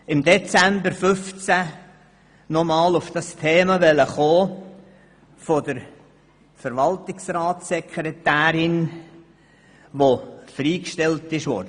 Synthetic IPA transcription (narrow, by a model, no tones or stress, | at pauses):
ɪmd̪ɛt͡sæmbəɾfʏft͡sæ | nɔmɑːlʊfd̥ɑstʰeːmɑʋɛləχoː | fod̪əɾ | fəɾʋɑltɪksɾɑːtsɛkʰɾetæːɾɪn | ʋofɾiːkʃtɛltɪʃʋo̰